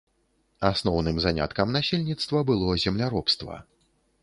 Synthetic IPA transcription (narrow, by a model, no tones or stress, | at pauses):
asnɔwnɨmzanʲa̰t̪kɐmnasʲelʲnʲit̪st̪vɐbɨlˠɔzʲɛmlʲaɾɔpst̪vɐ̰